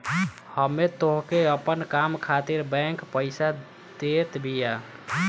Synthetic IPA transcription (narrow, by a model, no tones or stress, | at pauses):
həmːet̪oɦkeəpənkamkʰat̪iɾbɛ̃kpəɪsa | d̪̥et̪bʱija